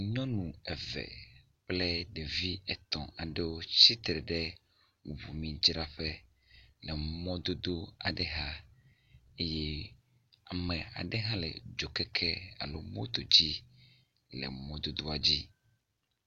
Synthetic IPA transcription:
ɲɔ̃˦nũ˨ɛ˨vɛ̰˨ | plɛ˦ɖɛ˨vi˦ɛ˨t̪ɔ̰̃˨a˨ɖɛ˦wo˦t͡ɕi˦t̪ɾɛ˨ɖɛ˦˨ | βṵ˨mĩ˨d͡ʒɾa˦ɸɛ˦ | nɛ˨mɔ̃˦d̪o˦d̪o˦a˨ɖɛ˨ɦa˦ | e˦jɛ˦ | a˨mɛ̃˨a̰˨ɖɛ˦ɦã˦lɛ̰˨d͡ʒo˨kɛ˦kʰɛ˦a̰˨lo˦mõ˦t̪o˨d͡ʑi˦ | lɛ̰˨mɔ̃˦d̪o˦d̪o˦a˨d͡ʑi˦

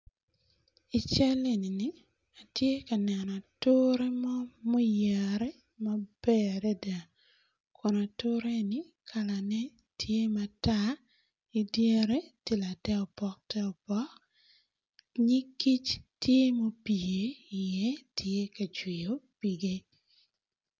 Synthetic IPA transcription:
i˨t͡ʃa˦le˦˨ni˨ni˨˦ | a˨tje˦ka˨nɛ˨nɔ˨tʊ˦ɾe˦mɔ˦mo˦ja˨ɾɛ˦ | ma˦b̥ɛ˦˨ɾɛ˦da˨ | kʰɔ˨na˨tʊ˦ɾe˦ni˦ | kʰa˨la˨nɛ˦ | tʰje˦mata˦ | i˨dje˦ɾe˦ti˦˨la˨tɛ˦ɔ˨pɔ˦k̚tɛ˦ɔ˨pɔ˦k | ɲi˦kːi˦t͡ʃtje˦mo˦pi˨e˨i˨jɛ˦tʰje˦ka˨t͡ʃwi˨jo˨pi˨ɡe˦

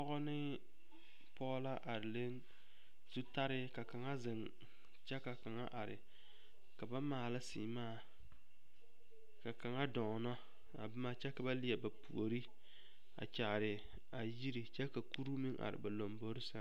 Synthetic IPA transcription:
ɔ˦ɣɔ˦nɪ˦ | pɔ˦ɣɔ˦la˦ʔa˨ɾɪ˨le˦n | z̥u˦ta˦ɾɪ˦ka˨ka˨ŋa˦zɪ˨ŋ | t͡ʃɛ˦ka˨ka˨ŋa˦ʔa˨ɾɪ̰˨ | ka˨ba˦maː˨la˦sḭː˨maː˦˨ | ka˨ka˨ŋa˦dɔ˨ŋ˨nɔ˦ | a̰˨bɨ˦ma˦t͡ʃɛ˦ka˨ba˦lɪ˦jɛ˨ba˨pṵ˨o˨ɾi˦ | a̰˨t͡ʃa˨ɾɪ˨ | a˨ji˦ɾi˨t͡ʃɛ˦ka˨ku˦ɾu˦mi˦ŋʔa̰˨ɾɪ̰˨ba˨lo˨mbo˦ɾɪ˦sa˦

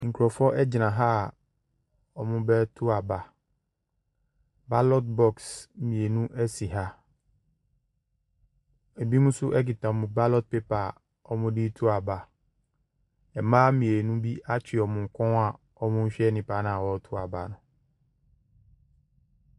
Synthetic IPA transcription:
ŋ̩˨kʰu˨ɾɔ˨fɔ˦ʔɛ˦d͡ʑɪ˨nã˨ɦa˦˨ | ɔ˨mʊ̃˦bɛ˦tʰʊ˦a˨ba˨ | ba˦lɔ˦t̚bɔ˦ksmĩ˨e˨nũ˦ʔɛ˦si˨ɦa˦ | e˨bi˦mũ˦sʊ˦ʔɛ˦kɪ˨tã˨mʊ̃˨ba˦lɔ˦t̚pe˦pa˨ | ɔ˦mʊ̃˦di˦tʰu˦a˨ba˨ | ɛ˨mãː˦mĩ˨e˨nũ˦bi˦a˦t͡ɕʰᶣɪ˨ɔ˨mʊ̃˨ŋ̩˨kʷʰɔ̃˦n˦a˨ | ɔ˦mʊ̃˦ɕᶣɛ˦nɪ̃˨pʰa˨˦nã˨a˨wɔ˨˦tʰʊ˦a˨ba̰˨nʊ̃˨

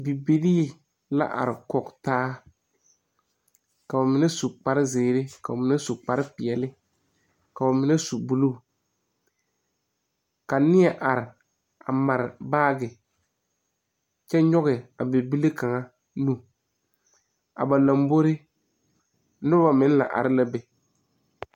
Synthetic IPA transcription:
bi˨bi˨ɾiː˦ | la̰˦ʔa̰˨ɾɪ˨kɔ˨ktaː˦ | ka˨ba˨mɪ˦nɛ˦su˨k͡pa˦ɾɪ˦zeː˨ɾɪ˦ka˨ʊ˨mɪ˨˦nɛ˦su˨k͡pa˦ɾɪ˦pɪ˨ɛ˨lɪ˦ | ka˨ʊ˨mɪ˨˦nɛ˦su˨bu˦lu˦˨ | ka˨nɪ˦ɛ˨ʔa˨ɾɪ˨ | a̰˨ma˨ɾɪ˨baː˦ɡɪ˨ | t͡ʃɛ˦ɲɔ˦ɣɪ˨a˨be˨bi˦le˦ka˨ŋa˦ | nu˦ | a̰˨ba˨la˨mbo˦ɾɪ˦ | nʊ˦ba˨mɪ˦n˦la̰˨ʔa̰˨ɾɪ˦la˦bɛ˨

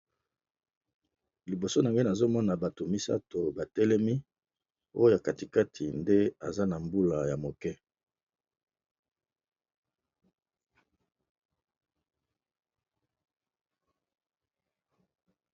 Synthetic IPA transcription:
li˨bo˨so˦na˨ŋɡe˦na˨zo˦mɔ˦na˨ba˨to˨mi˦sa̰˦to˨ba˨tɛ˦lɛ˦mi˦ | o˦jo˦ja˨ka˨ti˨ka˦tʰi˨nde˦a˨za˦na˨mbu˦la˨ja˨mo˨kɛ˦

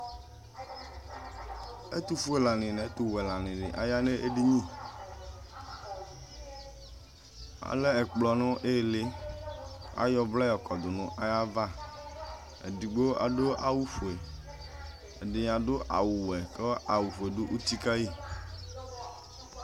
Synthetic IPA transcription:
ḛ˦t̪u˨fu˦e˨la˨nĩ˨nɛ˨e˦t̪u˨wɛ˨la˨nĩ˨ɖɪ̰˨ʔa̰˨ja˦ne˦ʔe˦ɖi˦ɲĩ˦˨ | a̰˨le˦ɛ˨k͡plɔ˨nɔ̃˦ʔe˦˨le˦ | a̰˦jɔ˦blɛ˦jɔ˨kɔ˨d̪o˨nũ˦ʔa˦ja˦va˦ | ḛ˨di˨ɡ͡bo˦a̰˨ɖo˦ʔa˦wu˦fu˨e˨ | ḛ˨ɖɪ˨a˨ɖo˦ʔa̰˨wu˨wɛ˨ke˦a˨wu˨fe˨ɖu˦ʔu˦t̪i˦ka˦ji˦˨

